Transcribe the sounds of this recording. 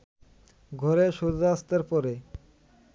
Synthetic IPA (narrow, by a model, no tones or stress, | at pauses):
ɡʱɔɾeʃud̪ast̪aɾpɔɾe